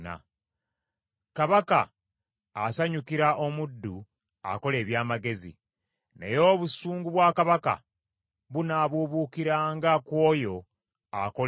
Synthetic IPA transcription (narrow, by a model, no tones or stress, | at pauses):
na̰ | kaβaka̰ː | saɲukiɾaʔo̞mudːu | a̰ko̞le̞ːβjaːmaɡe̞zḭ | ne̞̰jo̞ːβusuːŋɡuβwaːkaβaka̰ | βunaβuβukiɾaːŋɡakwo̞ːjo̞ | ako̞